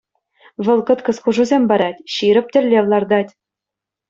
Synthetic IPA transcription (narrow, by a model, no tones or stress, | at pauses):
ʋɤ̆lˠkɤ̆t̪kɤ̆skuʐuzʲemʲbɑɾɑtʲɕiɾɘ̆p̚ʲtʲɘ̆lʲːeʋlˠɑrd̪ɑtʲ